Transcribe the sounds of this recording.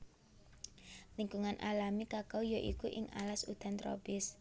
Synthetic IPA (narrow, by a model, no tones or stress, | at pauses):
liŋɡuŋanʔalamikakawjoʔikuʔɪŋa̰lasud̪̥a̤nt̪ɾo̰pɪs